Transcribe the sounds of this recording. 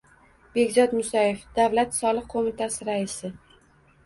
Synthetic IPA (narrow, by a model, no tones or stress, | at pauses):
b̥e̞ɡʲzɒt̪mʊsajefd̪̥avlat̪sɒlˠɨq̚ʰomɪt̪ʰasɪɾaɪsɪ